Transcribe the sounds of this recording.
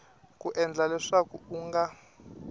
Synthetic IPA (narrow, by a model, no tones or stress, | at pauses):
kuʔɛnd͡ɮalɛʂakuuŋɡa